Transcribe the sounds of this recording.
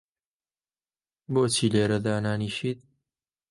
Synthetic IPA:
boːt͡ʃʰiːleːɾɐd̪aːnaːniːʃiːt̪̚

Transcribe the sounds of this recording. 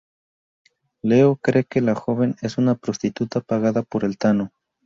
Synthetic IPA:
le̞okɾe̞ke̞laxo̞βe̞ne̞sunapɾo̞st̪it̪ut̪apaɣaðapo̞ɾe̞lt̪ano̞

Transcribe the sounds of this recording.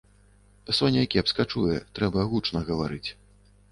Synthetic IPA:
sɔnʲɛkʲɛpskat͡ʂujɛt̪ɾɛbɐɣut͡ʂnɐɣɐvaɾɨt͡sʲ

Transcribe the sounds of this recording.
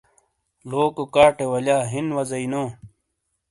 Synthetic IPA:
loːkokaːʈewɐljaːɦinwɐzɐinoː

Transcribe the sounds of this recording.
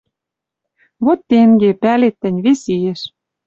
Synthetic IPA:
βot̪ːeŋɡepælet̪ːɘ̆nʲβesijeʃ

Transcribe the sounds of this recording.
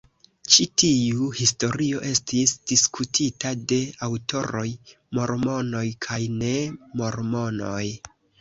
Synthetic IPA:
t͡ʃitiuhisto̞ɾio̞ʔe̞stisd̥iskutʰitade̞awto̞ɾo̞j | mo̞ɾmo̞no̞jkʰajne̞mo̞ɾmo̞noj

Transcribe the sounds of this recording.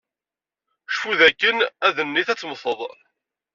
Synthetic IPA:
ʃfuðækːənæðənːiθæt͡sːməθəðˤ

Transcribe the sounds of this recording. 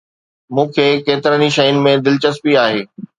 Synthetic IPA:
mũːkʰeːkeːt̪ɪɾəniʃɐjʊnɪ̆mẽd̪ɪlt͡ɕəspiaːɦeː

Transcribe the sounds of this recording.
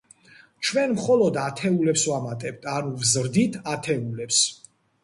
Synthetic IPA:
t͡ʃʰwɛnmχɔlˠɔd̪at̪ʰɛulɛpswamat̪ʼɛb̥̚t̪ʰanuvzɾd̪it̪ʰat̪ʰɛulɛps

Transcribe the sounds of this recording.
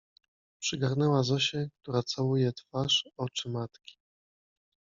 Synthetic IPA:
pʂɘɡaɾnɛwazɔɕɛk̚t̪uɾat̪sawujɛt̪faʂɔt͡ʂɘmat̪kʲi̥

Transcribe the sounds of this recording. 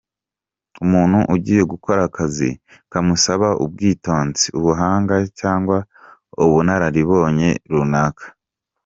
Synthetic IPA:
umuːnhuʔuɟiːje̞ɡukʰoɾakʰazḭ | kamusaβaʔub̚ɡiːto̞ːnziuβuɦaːŋɡacaːŋɡwa | uβunaɾaɾiβo̞ːɲe̞ɾunaːkḁ

